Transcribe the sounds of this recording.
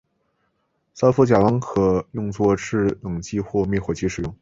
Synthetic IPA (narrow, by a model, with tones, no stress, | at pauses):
sa˥fu˥˩t͡ɕja˨˩wɑ˧˥ŋkʰɤ˨˩jʊ˥˧ŋt͡swɔ˥˧ʈ͡ʂʰɻ̩˥˩lɤ˨˩ŋt͡ɕi˥˧xwɔ˥˧mjɛ˥˩xwɔ˨˩t͡ɕʰi˧˥ʂɻ̩˨˩jʊ˥˩ŋ